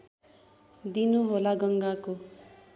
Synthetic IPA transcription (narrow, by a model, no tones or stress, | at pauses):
d̪inuɦolaɡʌŋɡako